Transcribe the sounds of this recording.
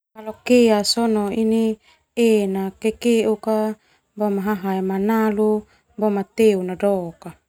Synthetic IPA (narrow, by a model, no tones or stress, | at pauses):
kalokeasɔnɔini | enakekeuka | bomaɦaɦaemanalu | bomat̪eunadɔka